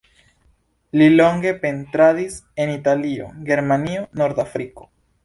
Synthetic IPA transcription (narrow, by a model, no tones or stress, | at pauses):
lilo̞ŋɡe̞pe̞ntɾadise̞nitalio̞̰ɡe̞ɾmaniono̞ɾd̪afɾiko̞̥